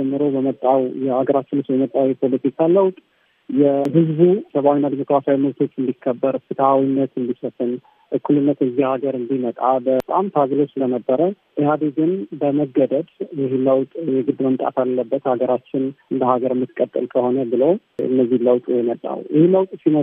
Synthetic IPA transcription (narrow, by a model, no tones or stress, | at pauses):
d͡ʒɛmːɨɾo̞bəmət̪ʼːawjɛhaɡəɾat͡ʃːɪnɨswjɛmət̪ʼawjɛpʰo̞lət̪ʰikʰaləwt̪ʼ | jɛɦɨzbusəβawinːad̪imo̞kɾasawiməβt̪ʰo̞t͡ʃːɨnd̪ikʰːəbːəɾfɨt̪ʰawinːət̪ɨnd̪isəfɨn | ʔɨkʰːulɨnːət̪ɨzːihaɡəɾɨnd̪imət̪ʼabət̪ʼamt̪ʰaɡɾo̞t͡ʃːsɨlənəbːəɾə | ʔɨhad̪ɨɡɨnbəməɡːəd̪əd̪jɪɦeləwt̪ʼjɛɡɨd̪məmt̪ʼa̰t̪ʰalːəbːət̪haɡəɾat͡ʃːɪnɨnd̪əhaɡəɾɨmːɨt̪kʼːət̪ʼːɨ̰lkʰəho̞nəbɨlowɨ̰nːəzːiləwt̪ʼjɛmət̪ʼːa̰wjɪheləwt̪ʼsinə